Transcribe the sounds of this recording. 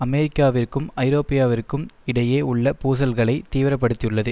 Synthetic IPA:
ɐmɛɾɪkːaːʋɪrkɯmɐɪɾoːpɪjaːʋɪrkːɯmɪɽɐjeːʊɭːɐpuːs̬ɐlɣɐɭɐɪt̪ːiːʋɪɾɐpːɐɽɯt̪ːijɯɭːɐðɯ

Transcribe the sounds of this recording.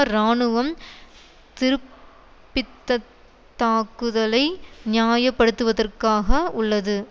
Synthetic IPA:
ɾaːɳɯʋɐm | t̪ɪɾɯpː | ɪt̪ːɐ | t̪ːaːkɯðɐlɐɪnɪjaːjɐpːɐɽɯt̪ːɯʋɐðɐrkaːɣɐʊɭːɐðɯ

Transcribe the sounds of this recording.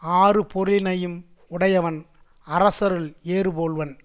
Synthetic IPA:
aːrɯpɔɾlɪnɐjɯm | ʊɽɐjɐʋɐn | ɐɾɐsɐɾɯleːrɯboːɭʋɐn

